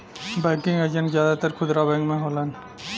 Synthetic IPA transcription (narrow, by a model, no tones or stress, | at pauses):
bɛːkɪ̃ŋɡəd͡ʒə̃ɳʈzjaːd̪at̪əɾkʰʊd̪ɾabɛ̃ːŋkmẽɦoːlən